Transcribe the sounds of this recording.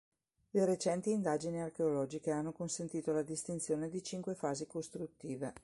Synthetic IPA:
leɾet͡ʃɛnt̪iːnd̪aːd͡ʒiniarkeolɔːd͡ʒikeanːokonsent̪iːt̪olad̪ist̪int̪sjoːned̪it͡ʃiŋkwefaːzikost̪ɾut̪ːiːve

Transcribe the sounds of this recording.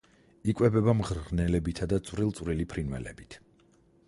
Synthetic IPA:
ikʼwɛbɛbamʁɾnɛlɛbit̪ʰad̪at̪sʼwɾilˠt̪sʼvɾilipʰɾinwɛ̰lɛ̰bit̪ʰ

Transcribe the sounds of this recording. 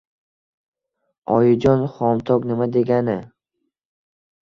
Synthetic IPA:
ɒjɪd͡ʒɒnχɒmt̪ʰɒknɪmad̪e̞ɡʲanɪ

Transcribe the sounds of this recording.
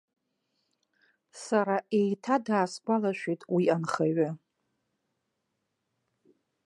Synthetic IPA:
saɾaʔejtʰadaːskʷʼalaʃʷᶣitʼwianχaɥɪ

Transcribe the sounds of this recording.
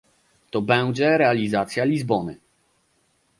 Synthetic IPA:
t̪ɔbɛw̃d͡ʑɛɾɛalʲizat̪sʲjalʲizbɔnɘ̰

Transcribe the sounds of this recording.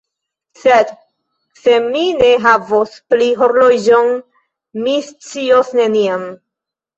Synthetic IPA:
sed | se̞mine̞ɦavospliɦoɾlod͡ʒon | mist͡siosne̞niam

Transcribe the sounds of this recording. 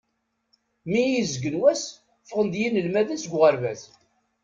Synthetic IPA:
miizəɡənwæs | fəʁənd̪jinəlmæðæsɡʷʁəɾvæθ

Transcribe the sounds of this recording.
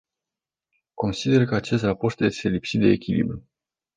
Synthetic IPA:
ko̞nsid̪e̞rkəat͡ʃe̞st̪rapo̞rt̪jeselipsit̪̚d̪e̞ːkʲilḭbɾʲu

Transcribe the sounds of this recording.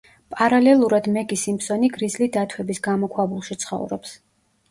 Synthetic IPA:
pʼaɾalɛlˠuɾad̪mɛɡisimpsɔniɡɾizlid̪at̪ʰwɛbisɡamɔkʰwabulˠʃit̪sʰχɔ̰vɾɔ̰ps

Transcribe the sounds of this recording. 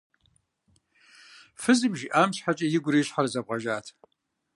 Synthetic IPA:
fɨzɨmʒiʔaːmɕħat͡ʃʼɐjɪɡʷʊɾiːɕħarzɐp̚qʼɐʒaːtʰ

